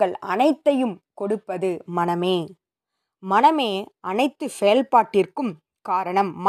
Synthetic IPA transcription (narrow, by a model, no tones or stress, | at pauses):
ɡɐɭɐ̰nɐɪt̪ːɐjɯmkɔɽɯpːɐðɯmɐnɐmeː | mɐnɐmeːʔɐnɐɪt̪ːɯsɛjɐlpaːʈːɪrkɯm | kaːɾɐɳɐmː